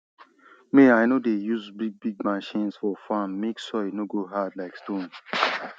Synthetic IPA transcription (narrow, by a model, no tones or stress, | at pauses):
meajnodejuzbiɡ̚biɡ̚maʃĩnsfɔfãmːeksɔenoɡoɦadlaɪkstõn